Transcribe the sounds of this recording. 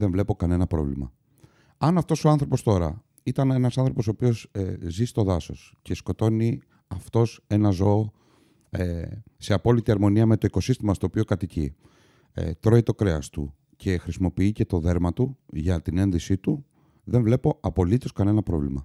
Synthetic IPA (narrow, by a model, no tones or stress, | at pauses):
ðeɱvle̞po̞kɐne̞nɐpɾo̞vlḭmɐ̰ | ɐnɐft̪o̞so̞ɐnθɾo̞po̞st̪o̞ɾɐ̰ | it̪ɐne̞nɐsɐnθɾo̞po̞soːpio̞zzist̪o̞ðɐso̞s | ce̞sko̞t̪o̞ni | ɐft̪o̞se̞nɐzo̞ː | se̞ɐpo̞lit̪iɐɾmo̞niɐme̞t̪oiko̞sist̪imɐst̪o̞ːpio̞kɐt̪icḭ | t̪ɾo̞it̪o̞kɾeɐst̪ṵ | cʰe̞xɾisimo̞piice̞t̪o̞ðe̞ɾmɐt̪uʝɐt̪ine̞nðisit̪u | ðe̞ɱvle̞po̞ɐpo̞lit̪o̞skɐne̞nɐpɾo̞̰vlḭmɐ̰